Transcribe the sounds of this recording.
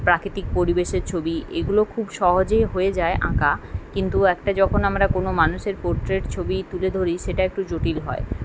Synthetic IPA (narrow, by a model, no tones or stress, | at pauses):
pɾakɾit̪ik̚poɾibeʃeɾt͡ɕʰobiḛɡulokʰubʃɔɦod͡ʑejɦoed͡ʑaeʔã̰kakint̪uɛkʈad͡ʑɔkʰonamɾakonomanuʃeɾpoɾʈɾeʈt͡ɕʰobit̪uled̪ʱoɾiʃeʈaek̚ʈud͡ʑoʈilɦɔ̰e